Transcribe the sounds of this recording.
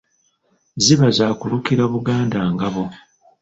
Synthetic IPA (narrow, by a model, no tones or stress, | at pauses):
ziβazaːkulukiɾaβuɡaːndaːŋɡaβo